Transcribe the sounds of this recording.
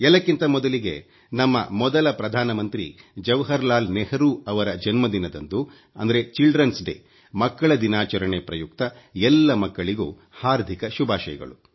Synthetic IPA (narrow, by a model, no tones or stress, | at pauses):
ɛlːɐkːint̪ɐmɔd̪ɐliɡḛ | nɐmːɐ̰mɔd̪ɐlɐpɾɐd̪ʱaːnɐmɐnt̪ɾḭd͡ʒɐʋɦɐɾlaːlnɛhɐɾuɐʋɐɾɐd͡ʒɐnmɐd̪inɐd̪ɐnd̪u | ɐ̰nd̪ɐɾet͡ʃilɖɾɐnsɖḛː | mɐkːɐɭɐd̪inaːt͡ʃɐɾɐɳepɾɐjukt̪ɐ | ɛlːɐmɐkːɐɭiɡṵː | haːɾd̪ʱikɐʃubʱaːʃɐjɐ̰ɡɐ̰ɭu